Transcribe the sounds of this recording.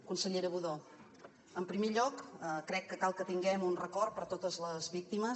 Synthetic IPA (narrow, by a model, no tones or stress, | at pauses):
kunsəʎeɾəβuðo | əmpɾimeʎɔkəkɾɛkːəkalˠkət̪iŋɡɛmunrəkɔrpəɾt̪ot̪əzləzβik̚t̪imə